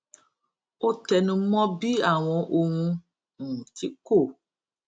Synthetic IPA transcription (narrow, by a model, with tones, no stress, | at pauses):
o˦tɛ˨nũ˧˦mɔ̃˦bi˦a˦˨w̃ɔ̃˧ʔo˧ŋũ˧ | ŋũ˨ti˦ko˦˨